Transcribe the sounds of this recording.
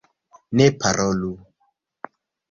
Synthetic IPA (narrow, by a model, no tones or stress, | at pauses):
nepaɾolu